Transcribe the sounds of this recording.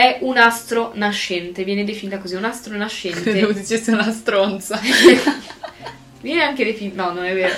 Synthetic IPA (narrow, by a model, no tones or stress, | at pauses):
ɛʔunast̪ɾonaʃːɛnt̪evjɛːned̪efinit̪akoziunast̪ɾonaʃːɛntd̪eoved̪it͡ʃesːeunast̪ɾont̪sa | vjɛːneaŋk̟ed̪efiinɔnonɛvːeːɾo